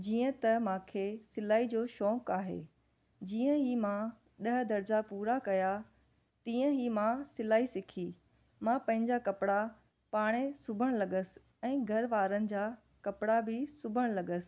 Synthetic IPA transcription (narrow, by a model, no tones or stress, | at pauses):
d͡ʑiːə̃t̪ɐmãːkʰesɪlaːid͡ʑoːʃɔːkaːɦḛː | d͡ʑiːə̃ɦimã | ɗɐɦə̆d̪ʱɐɾd͡ʑapuːɾakɐja | t̪iːə̃ɦimãsɪlaːisɪkʰiː | mãpɐ̃ɦɪ̃ɲd͡ʑakɐpɪɽa | paːɽ̃esʊbʱəɽ̃lɐɠəsɪ̥ | ɛ̃ːɡʱɐɾʋaːɾənɪ̆d͡ʑa | kɐpɪɽabɪsʊbʱəɽ̃lɐɠəsɪ̥̆